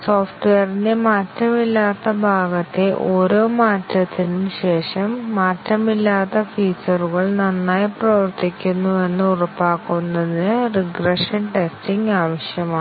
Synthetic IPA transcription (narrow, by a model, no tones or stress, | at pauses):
soːfʈʋejɐrindemaːtːɐmilːaːt̪ːɐbʱaːɡɐt̪ːe̞ʔo̞ːɾo̞ːmaːtːɐt̪ʰːinumɕe̞ːʂɐmːaːtːɐmilːaːt̪ːɐfiːt͡ɕːɐruɣɐɭnɐnːaːjiprɐʋɐrt̪ikʲːunːue̞nːɨurɐpːaːkːunːɐðinɨriɡrɐʂɐnʈe̞stiŋɡaːʋɐɕjɐmaː